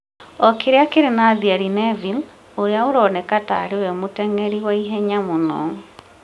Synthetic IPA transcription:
ɔkeɾeakeɾenaðiaɾinɛvil | oɾeaoɾɔːnɛkata̰ɾewɛmotɛŋɛɾiwaiɦɛɲamonɔːŋ

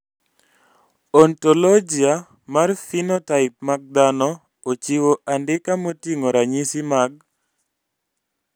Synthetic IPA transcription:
ɔntɔlɔd͡ʒia | marfinotaɪp̚maɡ̚d̪anɔ | ot͡ʃiwoʔandɪkamotiŋoɾaɲisimaɡ̚

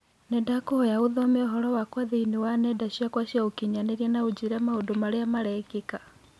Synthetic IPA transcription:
nɛdakohɔjaoðɔmeɔɦɔɾɔwakwaðeinewanɛdaɕiakwaɕiaokiɲaneɾiɛnaod͡ʑiɾɛmaodomaɾeamaɾɛɡeka

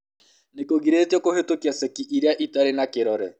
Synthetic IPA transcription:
nekoɣiɾeːtiɔkohetokiasɛkiʔiɾeaʔitaɾenakeɾɔɾɛ

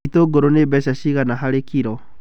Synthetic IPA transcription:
toːɡoɾonebɛʃaɕiɣanaɦaɾekiɾɔ

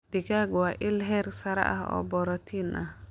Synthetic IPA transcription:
d̥ikaɡwaʔɪlɦɛɾsɐɾa̰ʔa̰hɔ̰ːbɔɾɔt̪ʰinʔa

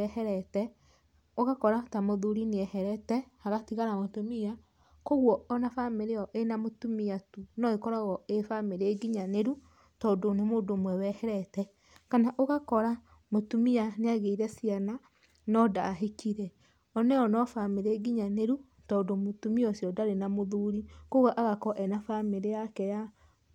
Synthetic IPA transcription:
ɛhɛɾɛtɛ | oɣakɔɾatamoðuɾineɛhɛɾɛtɛhaɣatiɣaɾamotumia | koɣwɔɔnafameɾeɔʔenamotumiatunɔekɔɾɔɣɔefameɾeɡiɲaneɾu | tɔːdonemoːdomwɛwɛhɛɾɛtɛ | kanaʔoɣakɔɾa | motumianeaɣeiɾɛsiana | nɔdaɦekiɾɛ | ɔnɛɔnɔfameɾeɡiɲaneɾu | tɔːndomotumiɔsjɔdaɾenamoðuːɾikoɣwɔʔaɣakɔʔɛnafameɾeakɛja

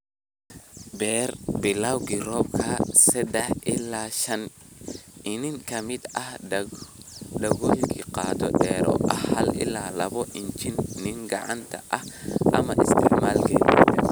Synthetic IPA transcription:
bɛːrbɪlawɡɪrɔːbkʰɐsɐd̪ɛħʔɪlaːʃɐn | ɪnɪŋkʰɐmɪd̪ɐh | ɖɐɣɔlkʰiqɑːt̪ʰɔ̰ɗɛːɾɔ̰ʔɐhɐlɪ̰laːlɐβɔʔɪnt͡ʃɪnːɪŋɡɑʕɑant̪ʰɐʔɐhʔɐmɐʔɪst̪ʰɪʕmaːlkʰɛːd̪iɛ

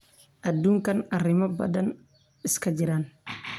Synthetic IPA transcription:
ʔɐd̪uːŋkɐnɐrɪmɐbɐ̰d̪ɐn | ɪskʰɐd͡ʒɪɾan

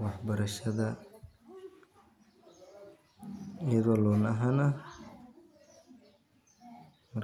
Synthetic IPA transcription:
wɑħbɐɾɐʃɐðɐ | ɪjɐðɔːlɔːnɐɦɐnɐ | mɐ

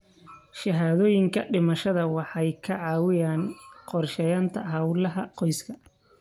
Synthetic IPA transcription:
ʃɐɦaːðɔːjɪŋkʰɐɖɪmɐʃɐðɐwɑħɑjkʰɐʕɑːwɪjaːnqɔrʃɛjaːnt̪ʰɐɦɐwlɐɦɐqɔjskʰɐ

